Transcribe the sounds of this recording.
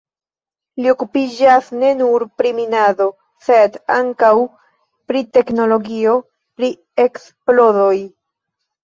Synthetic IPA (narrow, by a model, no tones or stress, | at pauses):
lio̞kupid͡ʒasne̞nuɾpɾiminado̞ | se̞daŋkaw | pɾite̞kno̞lo̞ɡio̞ | pɾi | e̞ks | plo̞ɾoj